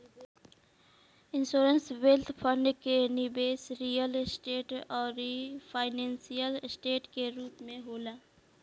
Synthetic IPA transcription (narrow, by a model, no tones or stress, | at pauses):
ɪnsoːɾənswelt̪ʰpʰə̃ɳɖkenɪbeːsɾijəlsʈeːʈɔːɾipʰaːɪnẽnsijəlsʈeːʈkeɾuːpmẽɦoːlaː